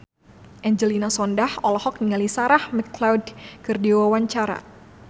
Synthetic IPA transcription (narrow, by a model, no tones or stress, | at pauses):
ʔɛɲd͡ʒəlinasɔndahɔlɔhɔk̚niŋalisaɾahmɛklawdkɨrdiwawaɲt͡ʃaɾa̰